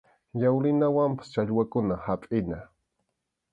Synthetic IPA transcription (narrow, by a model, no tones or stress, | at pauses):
jawlɪnawampḁst͡ʃaʎwakʊnahapʼɪna